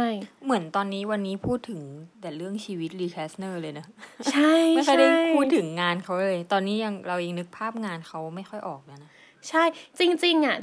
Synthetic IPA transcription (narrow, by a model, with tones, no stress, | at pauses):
t͡ɕʰa˥˩jmɯ˩˦ənt̪ɔː˧nːiː˦˥wa˧nːiː˦˥pʰuː˥˩t̪ʰːɯ˨˩˦ŋt̪ɛː˨˩ɾɯ˥˩əŋt͡ɕʰiː˧wi˦˥t̪̚ɾiː˧kʰɛː˦˥snɤː˥˩lɤː˧jna˦˥t͡ɕʰa˥˩jjxɔ˥˩jda˥˩˥pʰuː˥˩t̪ʰːɯ˩˦ŋːaː˧nkʰa˦˥wlɤː˧jt̪ɔː˧nːiː˦˥ja˧ŋɾa˧wja˧ŋnɯ˦˥k̚pʰaː˥˩p̚ŋaː˧nkʰa˦˥wma˥˩jxɔ˥˩jʔɔː˨˩k̚naː˥˩na˦˥ | t͡ɕʰa˥˩jt͡ɕi˧ŋt͡ɕi˧ŋʔa˨˩